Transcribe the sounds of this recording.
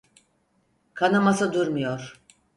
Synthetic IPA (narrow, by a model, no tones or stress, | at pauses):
kʰanɯmasɯd̪uɾmujoɾ̥